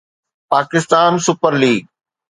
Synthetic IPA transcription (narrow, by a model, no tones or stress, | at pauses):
paːkɪst̪aːnsʊpəɾliːɡ̚